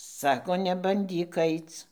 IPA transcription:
ˈsɑːkoː nʲɛbɐnʲˈdʲiːk ˈɐɪt͡s

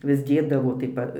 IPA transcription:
ʋʲɪs ˈdʲeːdɐʋoː tɐɪ ˈpɐ

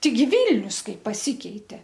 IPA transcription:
ˈtʲɛɪˈɡʲɪ ˈʋʲiːlʲnʲʊs ˈkɐɪp pɐˈsʲiːkʲɛɪtʲɛ

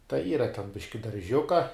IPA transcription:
tɐɪ ˈiːrɐ tʲɛn ˈbʲɪʃʲkʲɪ dɐrʲˈʒʲʊkɐ

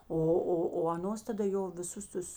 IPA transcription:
ˈoː ˈoː oː ɐˈnoːs tɐˈdɐ ˈjoː ʋʲɪˈsʊs ˈtʊs

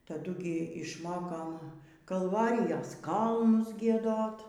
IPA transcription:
tɐˈdʊ ɡʲɪ ɪʃˈmoːkoːm kɐlˠˈʋɑːrʲɪjɛs ˈkɐlˠnʊs ɡʲiɛˈdoːt

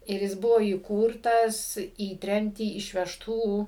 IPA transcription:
ɪr ˈjɪs ˈbʊʋoː iːˈkuːrtɐs iː ˈtʲrʲɛmʲtʲiː ɪʃʲʋʲɛʃˈtuː

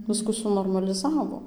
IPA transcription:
ˈʋʲɪskʊ sʊnoːrmɐlʲɪˈzɑːʋoː

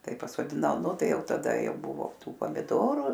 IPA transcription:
ˈtɐɪ pɐsoːdʲɪˈnɐʊ ˈnʊ ˈtɐɪ ˈjɛʊ tɐˈdɐ jɛʊ ˈbʊʋoː ˈtuː pɐmʲɪˈdoːrʊ

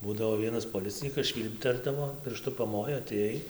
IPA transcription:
ˈbuːdɐʋoː ˈʋʲiɛnɐs poːˈlʲɪt͡sʲɪnʲiːkɐs ˈʃʲʋʲiːlʲpʲtʲɛrdɐʋoː pʲɪrˈʃtʊ pɐˈmoːjoː ɐtʲeːˈjɛɪ

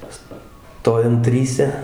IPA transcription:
ˈstoːjɛm ˈtʲrʲiːsʲɛ

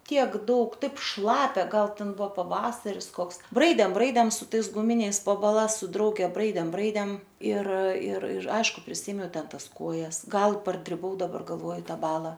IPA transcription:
ˈtʲiɛk ˈdɐʊk ˈtɐɪp ˈʃlˠɑːpʲɛ ˈɡɐlˠ ˈtʲɛn ˈbʊʋoː pɐˈʋɑːsɐrʲɪs ˈkoːks ˈbrɐɪdʲeːm ˈbrɐɪdʲeːm sʊ ˈtɐɪs ɡʊˈmʲɪnʲɛɪs poː bɐˈlˠɐs sʊ ˈdrɐʊɡʲɛ ˈbrɐɪdʲeːm ˈbrɐɪdʲeːm ɪr ɪr ɪr ˈɐɪʃkʊ pʲrʲɪˈsʲeːmʲɛʊ ˈtʲɛn ˈtɐs ˈkoːjɛs ˈɡɐlˠ pɐrɡrʲʊˈʋɐʊ dɐˈbɐr ɡɐlˠˈʋoːjʊ ˈtɑː ˈbɑːlˠɐ

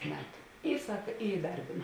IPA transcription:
ˈmʲæːtʊ ˈiː ˈsɐk ɪ ɪˈdɐrʲbʲeːnɐ

